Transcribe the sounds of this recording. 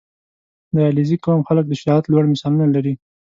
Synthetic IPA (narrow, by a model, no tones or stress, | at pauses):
d̪əalizikomxalək̚d̪əʃɪɾɑjat̪lwaɽmɪsɑlunalaɾi